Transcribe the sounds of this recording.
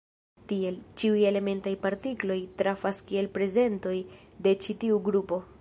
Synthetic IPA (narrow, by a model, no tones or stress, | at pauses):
tie̞lt͡ʃiuje̞le̞me̞ntajpaɾtiklo̞jtɾafaskie̞lpɾe̞ze̞nto̞j | de̞t͡ʃitiuɡɾupo̞